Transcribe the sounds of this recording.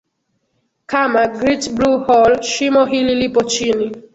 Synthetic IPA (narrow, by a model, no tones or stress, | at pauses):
kamaɡɾitbɾuhɔlʃimɔɦililipot͡ʃini